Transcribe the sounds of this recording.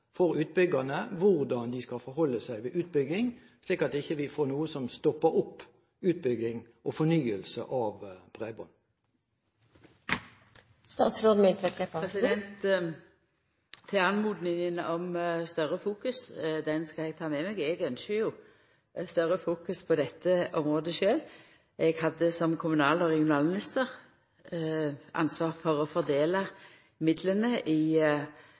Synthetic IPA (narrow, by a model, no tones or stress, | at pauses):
fɔɾʉːt̪̚bʏɡənəʋʊʁd̪ɑnd̪ɪskɑfɔɾhɔlːəsæɪʋɪʔʉːt̪̚bʏɡɪŋ | sliːkɑt̪ɪçːəʋɪfoːnuːəsɔmst̪ɔpːəɾʊpː | ʉːt̪̚bʏɡɪŋʔɔfɔnyːəlsə̰ʔɑʋb̥ʁebɔn | st̪ɑːt̪sɾoːd̪mɪlt̪ɛt̪ʰlekʰɑʁɛsɪd̪ɛnt̪ | ɪɑnmuːd̪nɪŋənɔmst̪œʁəfuːkʉsd̪ɛnskɑɛɡ̚t̪ʰɑːmɛmɛɡɛɡœnʃəjʊ | st̪œʁəfuːkʉspʰɔd̪ɛt̪ʰːəɔmʁoːd̪əʃøːl | ʔɛɡhɑd̪ːəsɔmkʰʊmʉnɑːlɔʁɛɡɪʊnɑːlmɪnɪst̪əʁ | ʔɑ̰nsʋɑːʁfɔʁɔfɔʁd̪eːlɑ | mɪd̪lənəʔɪ